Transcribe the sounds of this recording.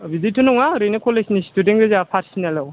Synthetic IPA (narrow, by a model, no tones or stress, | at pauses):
bizitːunɔŋaɾejnekɔlesnistudeŋɡezapʰaɾsinalaw